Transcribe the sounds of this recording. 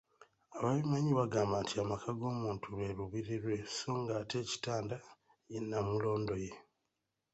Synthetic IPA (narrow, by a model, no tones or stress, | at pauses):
aβaβimaɲiβaɡaːmbantʰiamakaɡo̞ːmuːntʰuβe̞ɾuβiɾiɾwe̞so̞ːŋɡaːte̞ci̥taːnda | jenamulo̞ːndo̞je̞